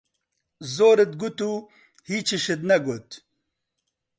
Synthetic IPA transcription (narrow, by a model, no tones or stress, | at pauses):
zoːɾet̪̚ɡut̪u | hiːt͡ʃiʃet̪nɐɡot̪